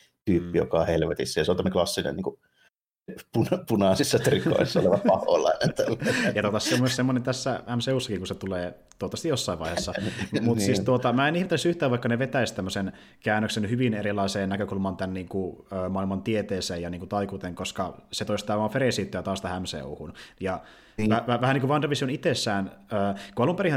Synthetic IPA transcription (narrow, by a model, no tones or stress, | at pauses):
t̪yːpːijo̰kɑˑhelʋet̪isːæjɑseont̪æmneklɑsːinḛniːŋku | punpunɑˑsisːɑt̪riko̰isːɑo̰leʋɑpɑho̰lɑ̰inent̪ælːjɑt̪ot̪ɑssemyøssemːonent̪æsːææmseuːsːɑkiŋkuset̪uleː | t̪uot̪ːɑst̪ijosːɑiʋɑ̰iheːsːɑmut̪siːst̪uot̪ɑmæːenihmet̪ːesyht̪æːʋɑikːɑneʋet̪æist̪æmːøsen | kæːnːøksenhyʋinerilˑɑiseːnnækøkulmɑnt̪ænniːŋkuøːmɑilmɑnt̪iet̪eːseːjjɑniːŋkut̪ɑikuːt̪eŋkoskɑset̪oist̪ɑːʋɑːfeɾeˑsiːt̪ːøjt̪ɑːst̪æhæmsḛuhunjɑ | ʋæʋæʋæhæniŋkuʋɑnrɑʋisionit̪esːæːnøːkuɑlumpeɾihæ